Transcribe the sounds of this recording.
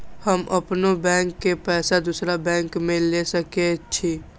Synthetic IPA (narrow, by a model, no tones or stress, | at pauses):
həmʔəpnobɛ̃ːŋkːepɛːsad̪usɾabɛ̃ːŋkmẽlesəket͡ʃʰi